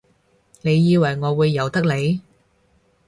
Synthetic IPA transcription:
ne˨˧jːiː˨˧wɐ˨˩jŋɔː˨˧wuː˨˧jːɐ˨˩wt̪ɐ˥k̚le˨˧j

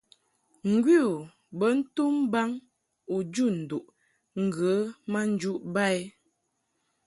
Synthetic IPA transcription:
ŋ̩˨ɡwi˦u˨ | bə˦n̩˦tu˦mba˦ŋ | u˨d͡ʒu˦˨n̩˨du˨ʔ | ŋ̩˨ɡə˨˦ma˦n̩˦d͡ʒu˦ʔba˦˨e˦

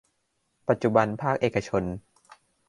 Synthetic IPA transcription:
pa˨t̪̚t͡ɕu˨˩ba˧npʰaː˥˩k̚ʔeː˨˩ka˧t͡ɕʰo˧n

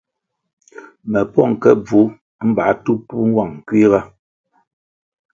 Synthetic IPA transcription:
mɛ˨pɔ˦˨ŋ˨kɛ̰˦b͡vu˨˦ | m̩˦ba˨˦tu˦pu˦ŋ̩˦wa˦˨ŋ̩˨kwi˦ɣa˦

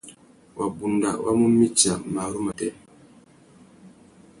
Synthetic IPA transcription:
wa˨bu˨nda̰˨wa̰˦mu˦mi˦t͡ʃːa˨maː˨ɾu˦ma˨tɛ˦

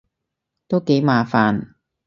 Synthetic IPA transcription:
t̪o˥wke˨˥jmaː˨˧faː˨n

